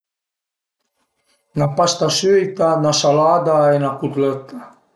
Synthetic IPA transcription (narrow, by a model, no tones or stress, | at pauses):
napast̪asyjt̪anasalad̪aenakut̪lɛt̪a